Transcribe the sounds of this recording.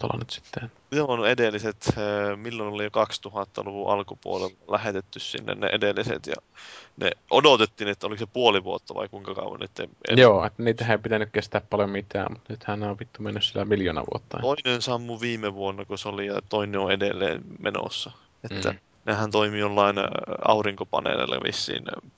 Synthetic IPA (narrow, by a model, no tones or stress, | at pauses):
t̪o̰lɑ̰net̪si̥t̪ːet̪ː | ieonedelːiset̪milːonolijokɑkst̪uhɑt̪ːɑ̰luʋuʔɑlkupuolellæhet̪et̪ːyssḭnːḛnnḛʔedelːisḛt̪jɑ̰nḛʔodot̪et̪ːiːnet̪ːæoliksepuoliʋuot̪ːɑʋɑ̰ikuiŋkɑkɑ̰uʋɑnnyt̪ːḛjoːḛt̪ːæniːt̪æhæeipit̪ænykkest̪æːppɑljomit̪æ̰ːmmut̪nyt̪hænneoʋʋit̪ːumenːyssielæmiljoːnɑ̰ʋṵot̪ːɑ̰oinensɑmːuʋiːmeʋuonːɑkusolijɑt̪oineoedelːḛːnmeno̰sːɑ | et̪ːæ̰ | nehænt̪oimijolːɑinɑ̰uriŋkopɑ̰nḛlḛlːɑ̰ʋḭsːḭːn